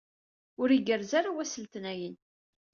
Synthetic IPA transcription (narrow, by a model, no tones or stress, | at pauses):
ʊɾiɡəɾzaɾawæsəlt̪ənæjən